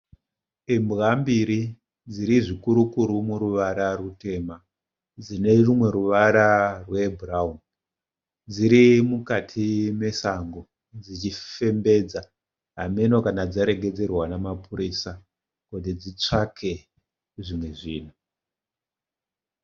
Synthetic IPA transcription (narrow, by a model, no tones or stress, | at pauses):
imbɣambiɾi | d͡ziɾiʐikuɾukuɾumuɾuʋaɾarute̞ma | d͡zine̞rumwe̞ɾuʋaɾarwe̞buraun | d͡ziɾimukatʰime̞saŋɡo | d͡zit͡ʃife̞mbe̞d͡za | ame̞no̞kanad͡zaɾe̞ɡʱe̞d͡zerwanamapuɾisa | kot̬id͡zit͡ʂakʰe̞ | ʐimwe̞ʐiːn̤u